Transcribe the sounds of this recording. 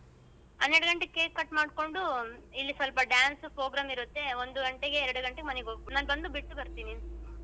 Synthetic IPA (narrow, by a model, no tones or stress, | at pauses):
ɦɐnːeɽuɡɐɳʈekeːkkːɐʈːmaːɽko̞ɳɖuilːisɐlpɐɖjaːnspɾoːɡɾaːmiɾut̪ːe̞o̞nd̪uɡɐɳʈeɡe̞ːɾɐɽuɡɐɳʈeɡemɐneɡoɡpunaːnbɐnd̪ubiʈːubɐɾt̪iːni